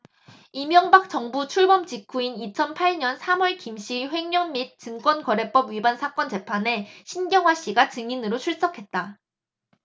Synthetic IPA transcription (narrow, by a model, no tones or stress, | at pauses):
imjʌŋbak̚t͡ɕʌŋbut͡ɕʰuɭbʌmt͡ɕikʰuinit͡ɕʰʌnpʰaɭɲʌnsʰamwʌɭkimɕ͈iɸwe̞ŋɲʌnmit̚t͡ɕɯŋk͈wʌnkʌɾe̞p͈ʌbɥibansʰak͈ʌnt͡ɕe̞pʰane̞ɕʰinɡjʌŋɦwaɕ͈iɡat͡ɕɯŋinɯɾot͡ɕʰuɭt͡ɕ͈ʌkʰe̞t̚t͈a